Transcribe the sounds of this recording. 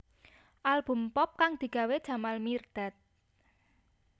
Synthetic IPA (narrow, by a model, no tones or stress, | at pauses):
ʔalb̥ṳmpɔp̚kaŋd̪̥i̤ɡ̥a̤wed̥ʒ̥a̤malmird̪̥a̤t̪̚